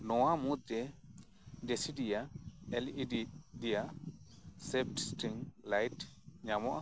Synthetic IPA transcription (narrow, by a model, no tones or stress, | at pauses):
nɔwamut̪ːɛ | desidijaɛlidid̪ija | sep̚ʈsʈiŋlajtɲamɔʔa